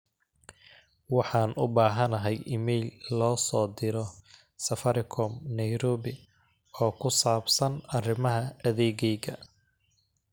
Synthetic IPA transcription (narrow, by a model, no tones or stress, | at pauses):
wɑħɑːnʔʊbaːɦɐnɐɦɛjɪmɛjlːɔːsɔːd̪ɪɾɔ | sɐfɐɾɪkʰɔmnɐjɾɔːβɪ | ɔːkʰʊsaːbsɐnɐrɪmɐɦɐɐðɛːɣɛjɣɐ